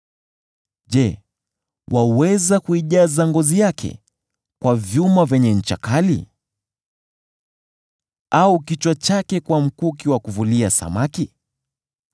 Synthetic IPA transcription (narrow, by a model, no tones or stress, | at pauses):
ʄɛ | wawɛzakuiʄazaŋɡɔzijakʰɛ̰ | kwavjumavɛɲɛɲ̩t͡ʃa̰kalḭ | aukit͡ʃwat͡ʃakɛkwam̩kuːk̬iwakuvuliasa̰maki